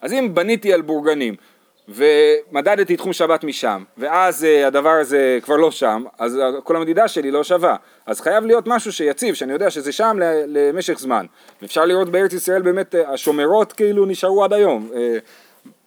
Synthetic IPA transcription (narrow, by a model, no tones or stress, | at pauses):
ʔazimbanitialbuʁɡanim | ve̞madad̪t̪it̪χumʃabat̪miʃa̰mve̞azeadavaʁaze̞kvaʁlo̞ʃamazko̞lamed̪idaʃe̞lilo̞ʃava | azχajavlijo̞tmaʃuʃe̞jat͡sivʃeanijo̞d̪eaʃezeʃamleleme̞ʃe̞χzma̰n | veːfʃaʁliʁo̞tbeeʁet͡sisʁae̞lbeːme̞taʃo̞meʁo̞tkiiluniʃaʁuadajo̞me